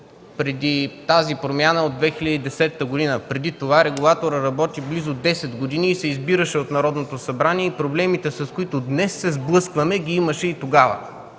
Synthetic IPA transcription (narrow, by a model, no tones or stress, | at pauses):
pɾɛd̪it̪azipɾomʲjanəod̪vɛxilʲəd̪əid̪ɛsɛt̪ːəɡod̪inəpɾɛd̪it̪ovaɾɛɡulˠat̪oɾəɾɐbɔt̪iblizod̪ɛsɛd̪ɡod̪iniːsɛizbiɾəʃɛot̪nɐɾɔd̪not̪osɐbɾaniɛipɾoblɛmit̪ɛsɐskoit̪od̪nɛsːɛzblˠɤskvɐmɛɡʲiiməʃɛit̪oɡavə̰